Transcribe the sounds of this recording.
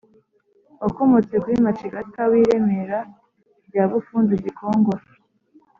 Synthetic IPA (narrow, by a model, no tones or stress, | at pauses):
okomot͡se̞kuimat͡ʃiɡatawiɾe̞meɾa | bjaːβufuːnzizikʰo̞ːŋɡosa